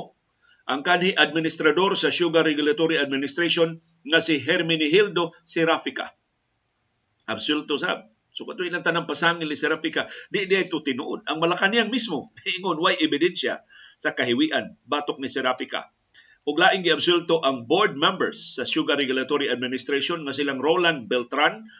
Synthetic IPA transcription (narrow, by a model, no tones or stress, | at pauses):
ʔaŋkanhiʔad̪̚mɪnist̪ɾad̪oɾsaʃuɡaɾɛɡʊlat̪oɾiad̪̚mɪnɪst̪ɾaʃon | ŋasɪɦɛɾmɪnɪɦild̪osɛɾafɪka̰ | ʔabsult̪osa̰b̚ | sokat̪ʊɪlaŋt̪anaŋpasaŋɪlnisɛɾafikad̪ɪʔd̪iʔajt̪ʊt̪ɪnṵʔod̪̚aŋmalakanijaŋmismoiʔɪŋonwajʔɪbɪd̪ɛnsja̰ | sakaɦɪwiʔanbaːt̪ok̚nɪsɛɾafika̰ | ʔʊɡlaːʔɪŋɡɪabsult̪oʔaŋboɹd̪̚mɛmbɛɹsːɐʃuɡaɾɛɡulat̪oɾiad̪mɪnɪst̪ɾeʃonŋas̬ilaŋɾolanbɛlt̪ɾan